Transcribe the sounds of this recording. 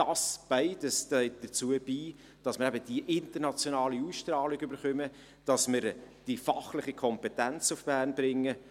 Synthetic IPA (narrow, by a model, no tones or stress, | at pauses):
dɑsb̥aɪdəstœɪt̚d̥əɾt͡suəb̥iː | d̥ɑsməɾɛbəd̥iʔɪntəɾnɑt͡sjonɑːliusʃtɾɑːliɡʏbəɾχœmə | d̥ɑsməɾd̥ifɑχlɪχikʰɔmpɛtænt͡sufb̥æːrnbɾɪŋːə